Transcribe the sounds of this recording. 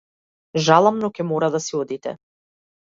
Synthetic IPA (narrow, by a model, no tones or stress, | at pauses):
ʒalˠamnɔkɛmɔɾad̪asiɔd̪it̪ɛ̰